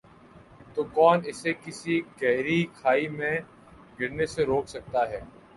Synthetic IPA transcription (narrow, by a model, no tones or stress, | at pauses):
t̪oːkɔːnɪsekɪsiɡɛɦɾikʰaːimẽ | ɡʱɪɽneseɾoːksɐk̚t̪aɦɛː